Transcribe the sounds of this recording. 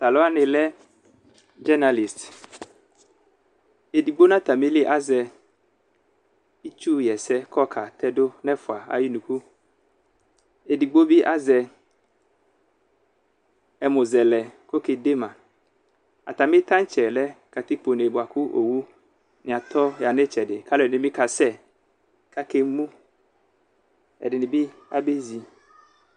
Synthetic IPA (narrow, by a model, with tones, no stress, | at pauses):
sa˨lɔ˦a˦nɪ̃˨lɛ˦ | d͡ʒɛ˦na˨li˨st | e˨di˨ɡ͡bo˦nã˦t̪a˨mi˦li˦ʔa˦zɛ˨ | i˦t͡ʃu˦jɛ˨sɛ˦kʰɔ˦kʰa˨t̪ʰɛ˦dʊ˦nɛ̃˦fʊ˨a˨a̰˨ji˦nũ˨ku˦ | e˨di˨ɡ͡bo˦bi˦ʔa˦zɛ˨ | ɛ˨mʊ̃˨zɛ˨lɛ˨ko˦ke˨de˦mã˨ | a̰˨t̪a˨mɪ̃˦t̪ʰã˦n˦t͡ʃɛ˨lɛ˦ka˨t̪i˦k͡po˨ne˨bʊ˨a˨kʰʊ˦ʔo̰˨wu˦ | nɪ̃˨a˨t̪ʰɔ˦ja˨nɪ˦t͡ʃɛ˨dɪ˨kʰa˦lɪ˨nɪ̃˨˦mɪ˦kʰa˨sɛ˦ | kʰa˦ke˦mũ˦ | ɛ̰˨dɪ˨nɪ̃˨bi˦ | a˦be˦zi˨